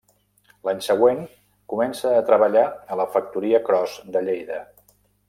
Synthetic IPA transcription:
laɲsəɣ̞weŋ | kumɛnsəːt̪ɾəβəʎaələfək̚t̪uɾiəkɾɔzd̪əʎejðə

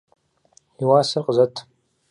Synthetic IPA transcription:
iwaːsɐrqəzɐtʰ

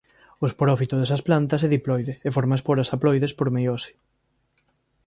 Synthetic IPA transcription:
ospɾɔfit̪ʊðesɐsplant̪ɐseðiplɔjðeefoɾmaspoɾasaplɔjðespoɾmejosi̥

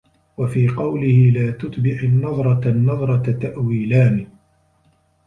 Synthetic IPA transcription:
wafiːqɑwlɪhɪlaːt̪ʊt̪ˤbɪʕɪnːɑðˤɾˤɑnːɑðˤɾˤɑat̪aʔwiːlaːni

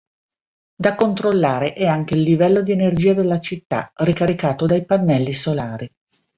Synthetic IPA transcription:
d̪akont̪ɾolːaːɾeʔɛaŋk̟eilːivɛlːod̪ienerd͡ʒiːad̪elːat͡ʃit̪ːa̰rikaɾikaːt̪od̪ajpanːɛlːisolaːɾi

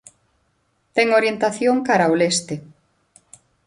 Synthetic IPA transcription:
t̪ɛŋoɾjent̪aθjoŋkaɾawlest̪e

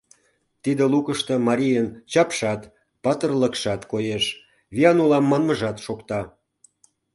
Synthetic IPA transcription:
t̪id̪elukəʃt̪ə̆mɑɾʲijənt͡ɕɑpʃɑt̪ | pɑt̪ərləkʃɑt̪kojeʃ | βiɑnulɑmːɑnməʒɑt̪ʃokt̪ɑ

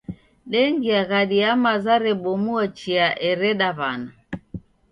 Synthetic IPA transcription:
ɗɛŋɡiaɣaɗiamazaɾɛɓɔmuat͡ʃiaʔɛɾɛɗaβana

